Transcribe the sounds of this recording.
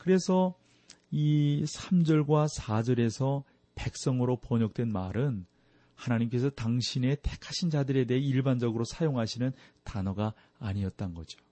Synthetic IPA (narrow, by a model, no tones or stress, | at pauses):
kɯɾe̞sʰʌ | isʰamd͡ʑʌɭɡwasʰad͡ʑʌɾe̞sʰʌ | pe̞k̚s͈ʌŋɯɾopʌɲʌk̚t͈we̞nmaɾɯn | hanaɲimk̬͈e̞sʰʌtaŋɕʰine̞tʰekʰaɕʰind͡ʑadɯɾe̞de̞ɦeiɭband͡ʑʌɡɯɾosʰajoŋɦaɕʰinɯntanʌɡa | aːɲiʌt̚t͈anɡʌd͡ʑo̥